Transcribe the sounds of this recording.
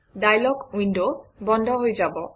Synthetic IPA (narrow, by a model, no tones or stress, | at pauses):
ɖajlɔɡuinɖobɔnd̪ʱoɦoed͡ʑabo